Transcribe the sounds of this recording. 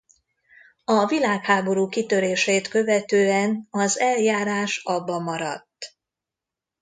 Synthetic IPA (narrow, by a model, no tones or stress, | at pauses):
ɒvilaːkhaːbo̞ɾuːkit̪ø̞ɾeːʃɛt̪kø̞vɛt̪øːɛnɒzɛljaːɾaːʃɒbːɒmɒɾɒ̰t̪ː